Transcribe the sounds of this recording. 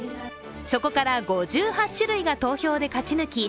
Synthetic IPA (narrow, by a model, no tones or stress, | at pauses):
so̞ko̞kaɾaɡo̞ʑɨːhaɕɨɾɯ̟iɡat̪o̞ːço̞ːd̪e̞kat͡ɕinɯ̟kʲi